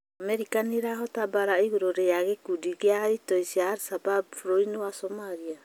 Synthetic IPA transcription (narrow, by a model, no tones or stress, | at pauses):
ameɾikaniɾaɦɔtabaɾaiɣuɾoɾejaɣɛkudiɡeaitoisiaːɾsababfɾɔinwasɔmaɾia